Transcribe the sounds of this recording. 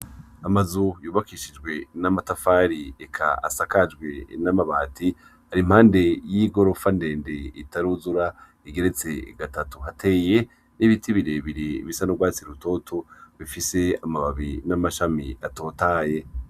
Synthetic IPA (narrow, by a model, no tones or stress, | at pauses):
amazujuːβakiʃid͡ʒɡwe̞namatafaːɾiekʰa̰a̰sakad͡ʒɡwe̞̰namaβaːtʰi | haɾim̥haːnde̞jiɡo̞ɾo̞fande̞ːnde̞itaɾuzuɾa | iɡe̞ɾe̞t͡se̞̰ɡatatuɦatʰe̞ːje̞ | niβitʰiβiɾeβiɾiβisanoɡwaːt͡siɾuto̞tʰoβifise̞amaβaβinamaʃamiato̞ːtaːje̞